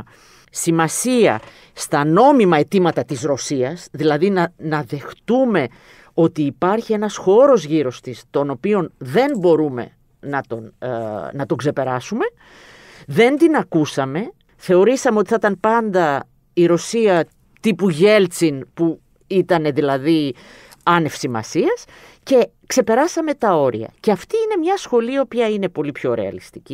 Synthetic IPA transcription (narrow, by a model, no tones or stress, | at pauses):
simɐsiɐ̰ | st̪ɐno̞mimɐe̞t̪imɐt̪ɐt̪izɾo̞siɐsðilɐðinɐnɐðe̞xt̪ume̞ | o̞t̪iːpɐɾçie̞nɐsxo̞ɾo̞zʝiɾo̞st̪ist̪o̞no̞pio̞nðe̞nbo̞ɾume̞̰ | nɐt̪onnɐt̪o̞ɡze̞pe̞ɾɐsume̞ | ðe̞nd̪inɐkusɐme̞ | θe̞o̞ɾisɐme̞o̞t̪i̥θɐt̪ɐnpɐnd̪ɐ | iɾo̞siɐ | t̪ipuʝe̞lt͡sinpu | it̪ɐne̞ðilɐði | ɐne̞fsimɐ̰siɐs | ce̞ | kse̞pe̞ɾɐsɐme̞t̪ɐo̞ɾḭɐ̰ceɐft̪iine̞mɲɐsxo̞liɐopɐine̞po̞lipço̞ɾe̞̰ɐ̰list̪i̥ci